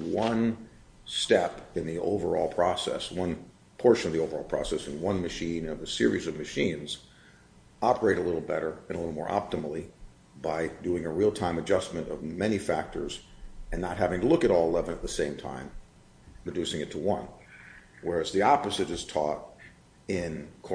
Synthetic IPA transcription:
wʌ̃n | stɛpɨ̃nðio̰ʊvə˞ɔ̰lˠpʰɹ̥ɔsɛ̰swʌ̃n | pʰɔɹʃɨ̃nʌvðioʊvə˞ɔlˠpʰɹ̥ɑ̰sɛsɨ̃nwʌ̃nmɨʃĩnʌvɨsɪɹizʌvmɨʃĩnz̥ | ɑpə˞eɪɾəlɪɾl̩ˠbɛɾə˞ɨ̃nəlɪɾl̩ˠmɔ̰ɹʔɑ̰p̚təml̩ˠi | baɪdʉɪ̃ŋɨɹilˠtʰãɪ̃mɨd͡ʒʌsmɨ̃ntʌ̰vmɛnifæk̚tə̰˞zɨ̃nːət̚ɦævɪ̃ŋtʰəlʊkɨɾɔlˠəlɛvə̃nət̪̚ðəsẽɪ̃mtʰã̰ɪ̃m | ɹɨdʉsɪ̃ŋɨtʰəwʌ̃n | wə˞ɨzðiɑpɨzɨɾɨz̥tʰɔɾ | ɪ̃nkʰ

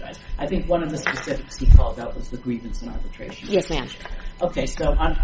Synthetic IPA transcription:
a̰ɪz̥ʔaɪθɪ̃ŋkwʌ̃nʌvðɨspɨsɪfɨkshikʰɔ̰lˠdaʊʔ̚wʌzðɨɡɹivɨ̃n̩sə̃n̩ɑ̰ɹbɨtʰɹ̥ḛɪʃn̩jɛsmæ̰̃nʔoʊkʰeɪsoʊʔã

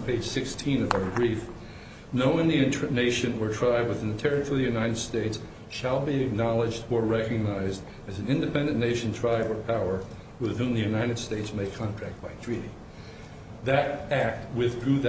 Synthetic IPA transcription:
pʰeɪd̥ʒ̥sɪkstʰĩnʌvaʊə˞bɹif | noʊɨ̃nðiɨ̃neɪʃɨ̃nə˞tʰɹ̥aɪbwɨθɪ̃nðɨtʰɛɹɨfvðɨjʉnaɪɾɨd̥steɪts | ʃəlˠbiɨk̚nɑlˠəd͡ʒdə˞ɹɛkɨɡ̚naɪzd | ɨzn̩ɪ̃ndɨpʰɛ̃ndɨ̃nneɪʃn̩tʰɹ̥aɪbə˞pʰaʊə˞ | wɪð̥hũmðɨjʉnaɪɾɨd̥steɪtsmeɪkʰɑ̃ntʰɹ̥æk̚t̚b̥aɪtʰɹ̥iɾi | ðɨɾæk̚t̚wɪθɡɹʉð

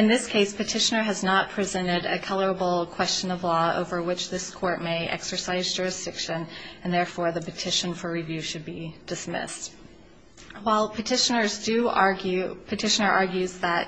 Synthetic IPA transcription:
ɨ̃nðɪskʰeɪspɨtʰɪʃɨ̃nə˞ɨznət̚pʰɹ̥izɛ̃ɾ̃ɪɾɨ̰kʰʌlˠə˞əbl̩ˠkʰw̥ɛst͡ʃɨ̃nʌvlɔo̰ʊvə˞wɨt͡ʃðɪskʰɔɹt̚meɪʔɛ̰ksə˞saɪzd͡ʒʊɹɨsd̥ɪkʃɨ̃nɨ̃nðɛɹfɔɹðɨpɨtʰɪʃɨ̃nfə˞ɹivjʉʃɨd̚bid̥ɨsmɪ̰st | waɪlˠpʰɨtʰɪʃənə˞zdɨɑɹɡjʉpʰɨtʰɪʃɨnə˞ʔɑɹɡjʉzðət̚

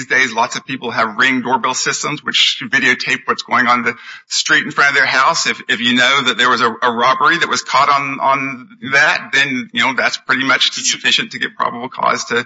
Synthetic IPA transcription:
zdeɪzlɑtsʌv̥pipl̩ˠɨvɹɪ̃ŋdɔɹbɪlˠsɪstə̃mzwɨt͡ʃvɪɾioʊtʰeɪp̚wʌtsɡ̥oʊɪ̃ŋə̃nðɨstɹ̥iɾn̩fɹʌ̃ɾ̃ʌvðə˞ɦaʊsɨfɪfjɨnoʊðɨt̪̚ðə˞wʌzəəɹɑbə˞iðɨʔ̚wʌz̥kʰɑɾñ̩n̩ðæt̪̚ðɨ̃njɨnoʊðætspʰɹ̥ɪɾimʌt͡ʃsɨfɪʃɨ̃ntʰɨɡɛ̰t̚pʰɹ̥ɑ̰bəbl̩ˠkʰɔ̰z̥tʰɨ

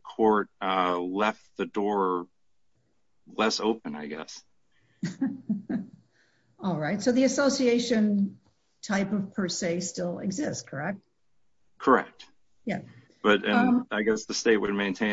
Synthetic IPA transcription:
kʰɔɹt̚ʌlɛft̪̚ðɨdɔɹ | lɛsoʊpɨ̃na̰ɪɡɛ̰s | ɔlˠɹaɪtsoʊðiɨsoʊsieɪʃɨ̃n | tʰaɪpʌv̥pʰə˞seɪstɪlˠɪ̰ɡzɪstskʰə˞ɛk̚t̚ | kʰə˞ɛ̰k̚t̚ | jæ | b̥ʌɾɨ̃aɪɡɛsðɨsteɪt̚wɨd̚mẽɪ̃ntʰẽɪ̃

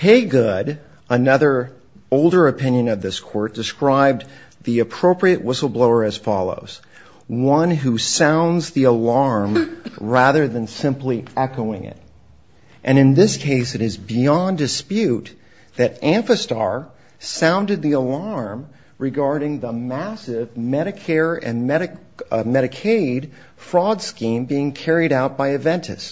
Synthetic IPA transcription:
heɪɡʊɾ | ənʌðə˞ | oʊlˠdə˞ɨpʰɪ̃njɨ̃nʌvðɪskʰɔɹt̚d̥ɨskɹaɪb̚ðiɨpʰɹ̥oʊpɹiɨʔwɪsl̩ˠbloʊə˞ɨz̥fɑlˠo̰ʊz̥ | wʌ̃nɦusãʊ̃ndzðiəlɑɹmɹæðə˞ðɨ̃nsɪ̃mpliɛkoʊɪ̰̃ŋɪ̰ɾ | ʔɨ̃ñɨ̃nðɪskʰeɪsɨɾɨzbiɑ̃ndɨspjʉt̪̚ | ðɨɾʔæ̃ɱfɨstɑ̰ɹ | sãʊ̃ndɨd̪̚ðiəlɑɹm | ɹɨɡɑɹɾɪ̃ŋðəmæsɪvmɛɾɨkʰɛɹɨ̃nmɛɾɨ | mɛɾɨkʰeɪd̥ | fɹɔdskĩmbiɪ̃ŋkʰɛɹiɾaʊt̚b̥aɪɨvɛ̃ntʰɨ̰s

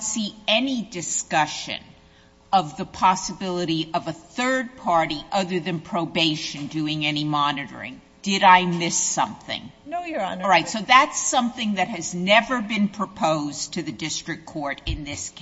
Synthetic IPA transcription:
siɛnidɨskʌʃɨ̰̃n | ʌvðəpʰɑsəbɪlˠəɾiʔʌvəθɜ˞d̚pʰɑɹɾiʔʌðə˞ðɨ̃npʰɹ̥oʊbeɪʃɨ̃ndʉɪ̃ŋɛnimɑnɨɾə̰˞ɪ̰̃ŋ | d̥ɪɾaɪmɪsʌ̰̃mθɪ̰̃ŋ | nojɹaɪtsoʊðætsʌ̃mθɪ̃ŋðɨt̚hɨznɛvə˞bɨ̃npʰɹ̥ɨpʰoʊz̥tʰɨðɨdɪstɹ̥ɨkʰɔɹɾɪ̃nðɪsk

